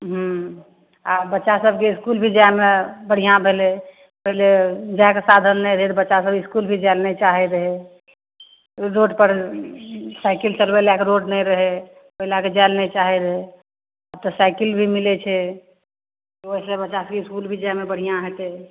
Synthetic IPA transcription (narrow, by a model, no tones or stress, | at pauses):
ɦu | abətːʃasəbʱkeiskulbʱid͡ʒajmebəɽ̤ijãbʱele | pəɦiled͡ʒajkesad̪ʱənːɛɾəɦet̪ɔbətːʃasəbiskulbʱid͡ʒalnɛt͡ʃaɦeɾəɦe | ɾoɖpəɾ | saɪkilt͡ʃəlbɛlakeɾoɖnɛɾəɦɛ | pəɦilaked͡ʒaɪlnɛt͡ʃaɦɛɾəɦe | ab̚t̪ɔsaɪkilbʱimilet͡ʃʰɛ | t̪ɔoɦisə̃bətːʃasəb̚keiskulbʱid͡ʒajmebəɽ̤ijãɦet̪e